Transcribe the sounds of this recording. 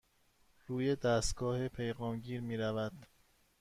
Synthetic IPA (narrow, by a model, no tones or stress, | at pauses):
ɾuːjed̪æst̪ɡɒːhepʰe̞jɣɒːmɟiːɾmiːɾævæd̪̥